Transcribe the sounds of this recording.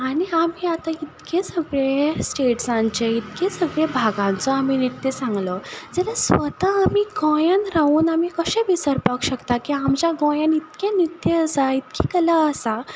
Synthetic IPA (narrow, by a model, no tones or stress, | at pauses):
aɽ̃iamiːat̪ait̪kesəɡɭesʈeʈsãɲt͡ɕeit̪kesəɡɭebʱaɡãnt͡sɔaminit̪jesãŋɡlɔd͡zɛlasʋət̪aːmiːɡɔ̃janɾauːnamiːkəɕẽʋisəɾpakɕəkt̪akiamt͡ɕjaɡɔ̃janit̪kenit̪ːjeəsait̪̚kʰekəlaəsa